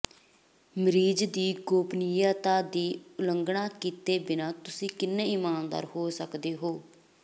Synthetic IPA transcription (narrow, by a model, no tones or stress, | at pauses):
mɾiːd͡ʒd̪iːɡoːpnɪjaːt̪aːd̪iːʊləŋɡɳãːkiːt̪eːbɪnãːt̪ʊsĩːkɪnːẽːiːmaːnd̪a̰ːɾhoːsəkd̪eːɦoː